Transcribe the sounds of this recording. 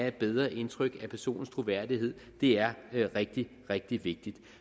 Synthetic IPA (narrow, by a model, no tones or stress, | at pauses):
æe̝d̥̚b̥eð̞ˠʁɐʔe̝nt͡sʰʁœɡ̥æpʰæɐso̝̰ːn̩st͡sʰʁo̝ʋæɐ̰d̥iɦe̝ð̞̰ˠd̥e̝æɐʁeɡ̥̚d̥i | ʁeɡ̥̚d̥iʋe̝ɡ̥̚d̥id̥